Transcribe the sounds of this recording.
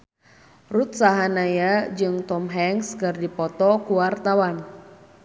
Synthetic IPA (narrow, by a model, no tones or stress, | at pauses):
rut̪̚saɦanajad͡ʒɨŋt̪ɔmɦɛŋskɨrdipɔt̪ɔkuwart̪awan